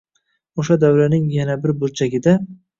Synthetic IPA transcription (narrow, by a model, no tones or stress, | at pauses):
oʃad̪awɾanɪŋjanabɪɾbolt͡ʃʰaɡʲɪd̪a